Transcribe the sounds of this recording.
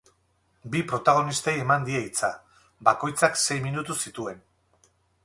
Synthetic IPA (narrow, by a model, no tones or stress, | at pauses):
bipɾo̞t̪aɣ̞o̞nist̪aje̞mand̪ieit͡sa | bako̞jt͡sakse̞jminut̪usit̪ue̞n